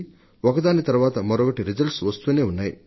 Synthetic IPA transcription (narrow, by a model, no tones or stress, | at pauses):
ɔkɐd̪aːnit̪ɐɾuʋaːt̪ɐmɐɾɔɡɐʈiɾid͡ʒɐlʈsʋɐst̪uːne̞ːunːaːjḭ